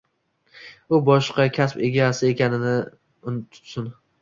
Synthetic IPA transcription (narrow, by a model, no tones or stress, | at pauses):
ʊbɒʃqɑkʲʰaspe̞ɡʲasɪe̞kʲanɪnɪ | ʊt̪ʰʊ̥sʊn